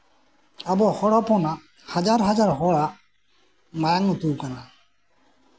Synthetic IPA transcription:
abɔhɔɽɔpɔna | had͡ʒaɾɦad͡ʒaɹɦɔɽaʔ | majaŋɔt̪uwkana

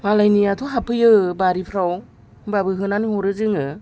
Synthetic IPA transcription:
malajniatʰoɦapʰɯjɯbaɾipʰɾaw | babɯɦɯnanihɔɾɯzɯŋɯ

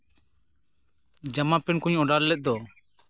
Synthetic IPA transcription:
d͡ʒamapɛnkuɲɔɖallɛt̪̚ˀd̪ɔ

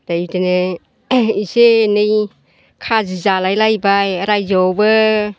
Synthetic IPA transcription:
d̥ajitene | isenɯj | kʰazizalajlajbajəɾajzɔbɯ

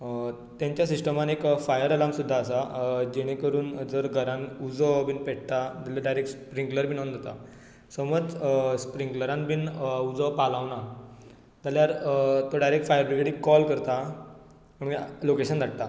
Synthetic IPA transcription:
t̪jãɲt͡ɕjasisʈəmanekfajəɾəlamsud̪ʱːaːsad͡ʑeɽ̃ekəɾuːnd͡zəɾɡʱəɾãnud͡zɔbiːnpeʈ̚t̪at̪aljaɾɖajɾek̚ʈspɾĩŋɡləɾbʱiːnaund̪at̪a̰ | səməd͡zspɾiŋkləɾãnbiːnud͡zɔpalaʋna | t̪aljaɾt̪oɖajɾek̚ʈfajəɾbɾiɡɽikɔlkəɾt̪a | məɳɡlokeɕənd̪ʱaʈ̚t̪a

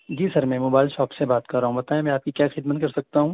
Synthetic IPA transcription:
d͡ʒiːsɐɾmɛ̃moːbaːɪlʃɔːpsebaːt̪kɐɾːaːɦũbɐt̪aːẽmɛ̃aːp̚kikjaːxɪd̪mət̪̚kɐɾsɐk̚t̪aɦũː

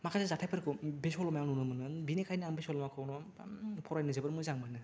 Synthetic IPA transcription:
makʰazazatʰajpʰɯɾkʰɯbesɔlɔmajanunɯmɯnɯnbinekʰajnɯambisɔlɔmakʰɯwnɔ | pʰɔɾajnɯzebɯɾmuzaŋmɯnɯ

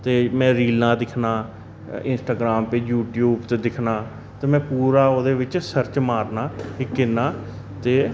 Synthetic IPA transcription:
t̪eːmɛ̃ːɾiːlãːd̪ɪkʰnaː | ɪnsʈaːɡɾaːmpeːd͡ʒjuːʈjuːbt̪ed̪ɪkʰnaː | t̪eːmɛ̃ːpuːɾaːoːd̪eːʋɪt͡ʃsəɾt͡ʃmaːɾnaːɦɪkːɪnaː | t̪eː

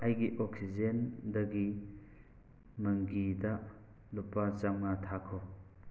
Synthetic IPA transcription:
ajɡiʔoksid͡ʒendɐɡi | mɐŋɡidɐ | lupːat͡ʃaŋnatʰakʰo

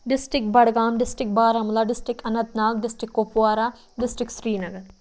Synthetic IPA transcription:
ɖɪsʈɪkbɐɽɡaːmɖɪsʈɾɪk̚baːɾɐmlaːɖɪsʈɪkʰɐnɐt̪naːɡ̚ɖɪsʈɾɪkːopuwaːɾaː | ɖɪsʈɾɪksɾiːnɐɡəɾ

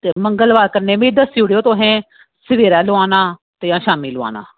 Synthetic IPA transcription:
t̪eːməŋɡəlbaːd̪kəɾneːmẽːd̪əsiuɽejoːt̪õːɦɛ̃ː | sɪʋeːɾaːloaːnaː | t̪ɪjãːʃaːmiːlʊa̰ːna̰ː

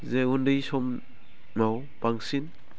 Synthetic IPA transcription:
zeundɯjsɔm | naw | b̥aŋsin

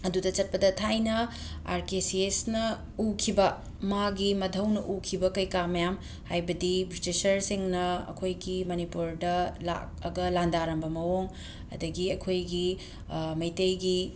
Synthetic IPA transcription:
ɐdudɐt͡ʃɐt̚pɐdɐtʰajnɐ | a̰ɾkesiesnɐ | ukʰibɐ | maɡimɐdʱɐwnɐʔukʰibɐkɐjkamɐjam | hajbɐdibɾitisɐɾsiŋnɐɐ̰kʰojɡimɐnipuɾdɐla̰k̚ɐ̰ɡɐlandaɾɐmbɐmɐwoŋ | ɐ̰dɐɡiɐkʰojɡi | mɐjtɐjɡi

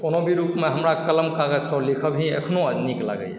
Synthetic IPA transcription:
konobʱiɾupmeɦəmɾakələmkaɡəsɔ̃likʰəbɦĩḛkʰnoəd̪nikla̰ɡə̰j

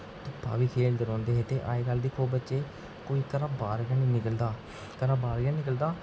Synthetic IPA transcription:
t̪ʊpʰːa̰ːʋiːkʰeːld̪əɾɔ̃ːnd̪eːɦɛːt̪eːʔa̰ːeːkald̪iːkʰoːbətːʃeː | koːiːkəɾãːbaːɾɡãːnĩːnɪkəld̪aː | kəɾaːbaːɾɡjaːnɪk̬əld̪aː

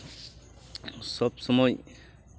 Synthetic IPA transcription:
sɔpsɔmɔj

